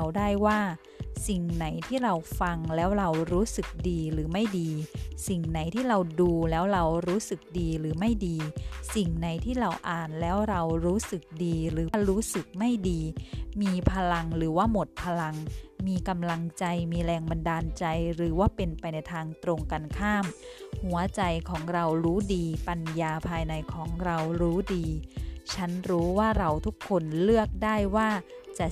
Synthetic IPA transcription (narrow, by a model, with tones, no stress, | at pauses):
wdaː˥˩jwaː˥˩ | si˨˩ŋna˩˦jt̪ʰiː˥˩ɾa˧wfa˧ŋlɛː˦˥wɾa˧wɾuː˦˥sɯ˨˩k̚diː˧ɾɯː˩˦ma˥˩jdiː˧si˨˩ŋna˩˦jt̪ʰiː˥˩ɾa˧wduː˧lɛː˦˥wɾa˧wɾuː˦˥sɯ˨˩k̚diː˧ɾɯː˩˦ma˥˩jdiː˧si˨˩ŋna˩˦jt̪ʰiː˥˩ɾa˧wʔaː˨˩nlɛː˦˥wɾa˧wɾuː˦˥sɯ˨˩k̚diː˧ɾɯː˩˦˥ɾuː˦˥sɯ˨˩k̚ma˥˩jdiː˧miː˧pʰa˧la˧ŋɾɯː˩˦waː˥˩mo˨˩t̪̚pʰa˧la˧ŋmiː˧ka˧mla˧ŋt͡ɕa˧jmiː˧ɾɛː˧ŋba˧ndaː˧nt͡ɕa˧jɾɯː˩˦waː˥˩pe˧npa˧jna˧jt̪ʰaː˧ŋt̪ɾo˧ŋka˧nkʰaː˥˩mhu˩˦ɐt͡ɕa˧jkʰɔː˩˦ŋɾa˧wɾuː˦˥diː˧pa˧njaː˧pʰaː˧jna˧jkʰɔː˩˦ŋɾa˧wɾuː˦˥diː˧t͡ɕʰa˦˥nɾuː˦˥waː˥˩ɾa˧wt̪ʰu˦˥kʰːo˧nlɯ˥˩ək̚daː˥˩jwaː˥˩t͡ɕa˨˩